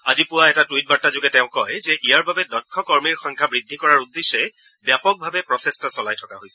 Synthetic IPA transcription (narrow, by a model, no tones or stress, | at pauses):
azipʊwaɛtatwit̚batːazʊɡɛtɛʊ̃kɔjzɛʔijaɹbabɛdɔkʰːɔkɔɹmiɹxɔ̃ŋkʰabɹid̪ʱːikɔɹaɹud̪eʃɛ | bjapɔk̚bʱabɛpɹɔsɛstasɔlajtʰɔkaɦojsɛ̥